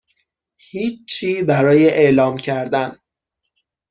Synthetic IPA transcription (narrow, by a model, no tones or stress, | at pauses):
hiːt͡ʃt͡ʃʰiːbæɾɒːjeʔeʔlɒːmcʰæɾd̪æn